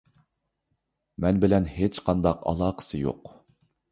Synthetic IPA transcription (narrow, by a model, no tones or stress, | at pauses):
mɛnbɪlɛnɦet͡ʃqʰɑnd̪ɑqɑ̰lˠɑːqʰə̥sɨjo̰q